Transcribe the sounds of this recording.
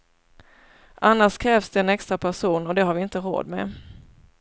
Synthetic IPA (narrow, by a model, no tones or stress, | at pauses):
ʔanːaʂkʰɾɛːvsd̪ɛːnɛkst̪ɾapʰæʂuːnɔd̪ɛɦaɾvɪɪnt̪əɾo̰ːd̪mɛ̰